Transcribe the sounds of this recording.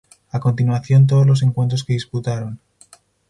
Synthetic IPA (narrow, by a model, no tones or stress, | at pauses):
ako̞nt̪̬inwaθjo̞nt̪̬oozlo̞s̬e̞ŋkwe̞nt̪̬ɾo̞ske̞ðisput̪aɾo̞n